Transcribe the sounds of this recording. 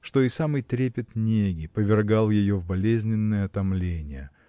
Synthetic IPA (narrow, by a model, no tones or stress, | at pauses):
ʂt̪o̞ɪsamɨjt̪ɾʲepʲɪt̪nʲeɡʲɪpəvʲɪrɡalˠjɪjo̞vbɐlʲezʲnʲɪnːəjəɐt̪ɐmlʲenʲɪjə